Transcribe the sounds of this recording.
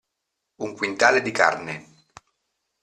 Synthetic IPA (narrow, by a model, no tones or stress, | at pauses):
uŋkwint̪aːled̪ika̰rne